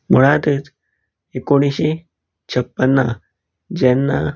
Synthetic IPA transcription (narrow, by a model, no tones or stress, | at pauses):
muɽat̪it̪ | ekoɽ̃iɕe | t͡ɕʰəpːənːa | d͡ʑɛnːa